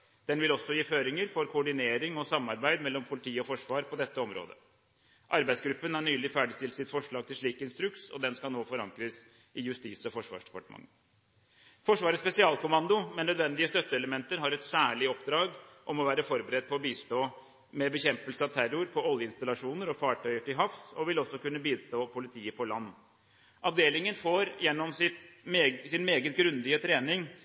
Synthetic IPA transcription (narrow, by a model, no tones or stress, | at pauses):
d̪̥ɛnʋɪlɔsːɔjiːføːɾɪŋəɾfɔɾkʰʊɔɖɪneːɾɪŋɔsɑmːɑɾbæɪd̪mɛlːɔmpʰʊlɪt̪ʰiːɔfɔʂʋɑːɾpʰɔd̪ɛt̪ːəɔmɾo̰ːd̪ə̰ | ʔɑɾbæɪd̪sɡɾʉpːənhɑɳyːlɪfæːɖɪst̪ɪlt̪sɪt̪fɔʂɭɑːɡ̚t̪ʰɪlʂɭiːkɪnst̪ɾʉksɔ̰d̪ɛnskɑlnoːfɔɾɑŋkɾəs | ɪjʉst̪iːsɔfɔʂʋɑ̰ːʂɖɛ̥pɑ̰ʈəmɑ̰ŋ | fɔʂʋɑːɾəspɛsɪɑːlˠkʊmɑnd̪ʊmɛnːœd̪ʋɛnd̪ɪəst̪œt̪ːəɛləmɛnt̪əɾɦɑɾɛt̪sæːɭɪɔpd̪ɾɑːɡʔɔmɔʋæːɾəfɔɾbəɾɛd̪̚pʰɔɔbiːst̪oː | mɛbəçɛmpəlsəɑʋt̪ʰæɾʊɾpʰɔɔljəɪnst̪ɑlɑʂuːnəɾɔfɑːʈʰœʏəʈɪɦɑfsɔʋɪlɔsːɔkʉnːəbiːst̪oːpʰʊlɪt̪ʰiːəpʰɔlɑnː | ʔɑʋd̪eːlɪŋənfoːɾjɛnːɔmsɪt̪ːsɪnmeːɡət̪̚ɡɾʉnd̪ɪət̪ʰɾeːnɪŋ